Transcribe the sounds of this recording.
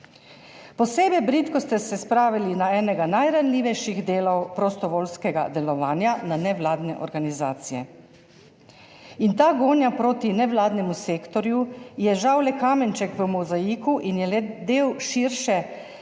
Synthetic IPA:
pɔseːbɛbɾit̪kɔst̪ɛsɛspɾaːʋilinaɛːnɛɡanajɾanliːʋɛjʃiɣd̪eːlɔwpɾɔst̪ɔʋoːlskɛɡa̰d̪ɛlɔʋaːnjananɛʋlaːd̪nɛ̰ʔɔ̰ɾɡanizaːt̪sijɛ | int̪aːɡoːnjapɾoːt̪inɛʋlaːd̪nɛmuseːkt̪ɔɾjujɛʒawlɛkaːmɛnt͡ʃɛkʋəmɔzajikuʔinjɛlɛd̪eːwʃiɾʃɛ

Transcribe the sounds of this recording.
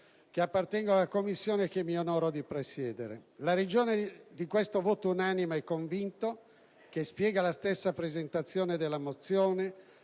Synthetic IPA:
k̟eapːart̪ɛŋɡoalːakomːisːjoːnek̟emːionɔːɾod̪ipɾesjɛːd̪eɾḛlaɾed͡ʒoːned̪ikwest̪ovoːt̪ounaːnimaɛkːoɱvint̪o | k̟espjɛːɡalast̪esːapɾezent̪at̪sːjoːned̪elːamot̪sːjoːne

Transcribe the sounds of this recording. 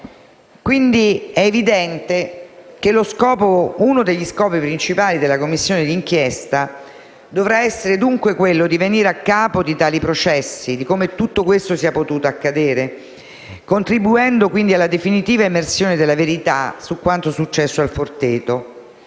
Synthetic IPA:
kwind̪iɛevid̪ɛnt̪ek̟eloskɔːpounod̪eʎːiskɔːpipɾint͡ʃipaːlid̪elakomːisːjoːned̪iːŋkjest̪a | d̪ovɾaɛsːeɾed̪uŋkwekwelːod̪iveniːɾeakːaːpod̪it̪aːlipɾot͡ʃɛsːid̪ikomet̪ːut̪ːokwest̪osiapot̪uːt̪oakːad̪eːɾe | kont̪ɾibuɛnd̪okwind̪ialːad̪efinit̪iːvaemersjoːned̪elːaveɾit̪asukːwant̪osut͡ʃːɛsːoalfort̪eːt̪o

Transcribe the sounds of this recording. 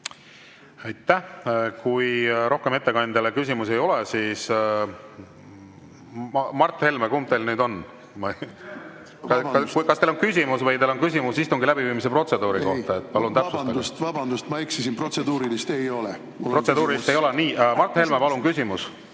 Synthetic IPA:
ɑjt̪ːˑæhkujɾʔo̞hke̞me̞t̪ːe̞kɑnd̪ɑlekys̬ʲimuse̞jo̞lesiːs | mɑrt̪ˑːhelmekumt̪elnyːd̪o̞n | mɑ | ɑɑkɑst̪elonkys̬ʲimusvɤjt̪eːlo̞nkys̬ʲimusist̪uŋɡilæbiviːmise̞pro̞t̪se̞d̪uːɾiko̞ht̪ɑet̪̚ːˑpɑlunt̪æpsuse̥st̪ɑbɑnd̪ust̪mɑiksesinprot̪sed̪uːɾilist̪ejo̞lɛ | pro̞t̪se̞d̪uːɾilist̪ejo̞leniːmɑrt̪ːhe̞lmepɑlunkysʲimus

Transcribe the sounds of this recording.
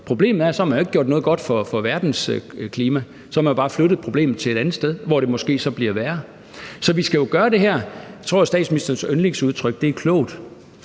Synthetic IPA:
pʰʁo̝b̥le̝̰ːmð̩ˠæɐsɒ̽hæmænjoeɡ̥̚ɡjo̝ɐd̥nɔ̽ːðˠɡ̥ɒ̽d̥fɒ̽fɒ̽ʋæɐd̥n̩skʰliːmæ | sɒhɑmænjo̝b̥ɑ̈ːfløɾ̥əð̩ˠpʰʁo̝b̥le̝̰ːməð̩ˠt͡sʰe̝le̝ɾ̥ænð̩ˠsd̥eð̞ˠʋɒɾ̥e̝mɒ̽sɡ̥e̝̰ːsɒ̽b̥liɐʋæːɐ | sɒ̽ʋisɡ̥æjo̝ɡ̥ɶːɐɾe̝ɦæɐ̰t͡sʰʁo̝ɐ̰sd̥ɛ̰ːd̥sminisd̥ɐnsønle̝ŋsuð̞ˠt͡sʰʁœɡ̥̚d̥e̝ækʰlɔ̰ʊd̥

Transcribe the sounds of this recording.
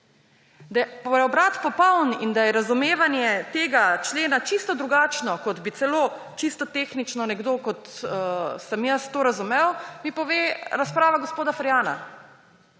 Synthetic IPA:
d̪ajɛppɾɛɔbɾat̪pɔpɔwnind̪ajɛɾazumeːʋanjɛt̪eːɡat͡ʃleːnat͡ʃist̪ɔd̪ɾuɡaːt͡ʃnɔkɔd̪bit̪sɛloː | t͡ʃist̪ɔt̪eːxnit͡ʃnɔnɛɡd̪okɔt̪ː | sɐmjəst̪oːɾazumewmipɔʋeːɾaspɾaːʋaɡospoːd̪afaɾjaːna̰

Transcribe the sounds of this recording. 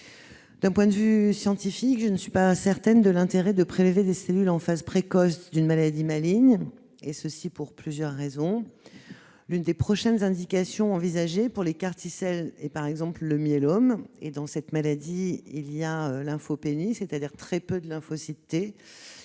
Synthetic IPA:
d̪ɛ̃pwɛ̃d̪əvysjɑ̃t̪ifikʒənsɥipasɛʁt̪ɛnd̪əlɛ̃t̪eʁɛd̪əpχelved̪eselylɑ̃fazpχekɔsd̪ynmalad̪imaliɲ | esəsipuʁplyzjœʁːezɔ̃ | lynd̪epχɔʃɛnzɛ̃d̪ikasjɔ̃ɑ̃vizaʒepuʁlekaʁt̪isɛlɛpaʁɛɡzɑ̃plːəmjɛlɔmḛd̪ɑ̃sɛt̪malad̪iilijaølɛ̃fopeniset̪ad̪iʁt̪χɛpød̪əlɛ̃fosit̪e

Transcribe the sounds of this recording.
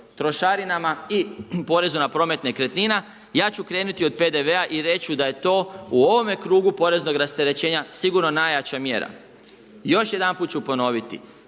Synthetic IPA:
t̪ɾo̞ʃaɾinamaipo̞ɾe̞zunapɾo̞ːme̞t̪nekɾe̞t̪nina | jaːt͡ɕukɾe̞ːnut̪io̞d̪̚pe̞d̪eʋeaʔiɾe̞t͡ɕud̪aje̞t̪o̞ːuo̞ʋo̞me̞kɾuːɡupo̞ɾe̞zno̞ɡɾast̪e̞ɾe̞t͡ɕe̞ːɲasiɡuɾno̞naːjat͡ɕamje̞̰ːɾa̰ | jo̞ʃje̞d̪anpuːt̪t͡ʃupo̞no̞ʋit̪ḭ

